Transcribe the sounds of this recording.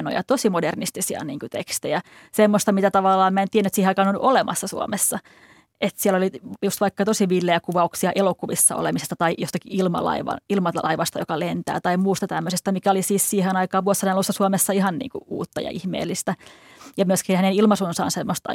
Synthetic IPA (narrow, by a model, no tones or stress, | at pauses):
no̰jɑ̰t̪osimodernist̪isiɑ̰niːŋkut̪ḛkst̪ejæ | semːost̪ɑmit̪æt̪ɑʋɑlːɑːmmæent̪iænet̪siːheɑikɑnonʔolemʔɑsːɑsṵo̰mesːɑ | ʔet̪siɛlolijust̪ʋɑikːɑt̪osiʋilːeækuʋɑuksiɑʔelokuʋisːɑ̰o̰lemisest̪ɑt̪ɑijost̪ɑkiilmɑ̰lɑ̰iʋɑ̰nilmɑɑ̰iʋɑst̪ɑjo̰kɑlent̪æ̰ːt̪ɑimuːst̪ɑt̪æmːøsest̪æmikæolisiːssiːhenɑikɑːʋʋuoshɑnɑlusːɑsuomesːɑihɑnnḭːŋkṵʔṵːt̪ːɑ̰jɑ̰ʔihmḛːlːist̪æjɑmyøskiːnhænenilmɑsunsɑ̰ːnsemːost̪ɑ̰